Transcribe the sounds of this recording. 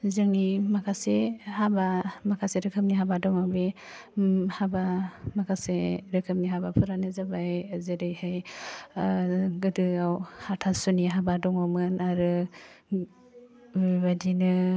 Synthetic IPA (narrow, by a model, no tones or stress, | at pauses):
zɯŋnimakʰasehabamakʰaseɾɯkʰɯm̚niɦabadɔŋabe | habamakʰaseɾɯkʰɯm̚niɦabapʰuɾanɯzabajzɯɾɯjhɯj | ɡɯdɯawhatʰasuniɦabadɔŋɔmɯnaɾɯ | badinɯ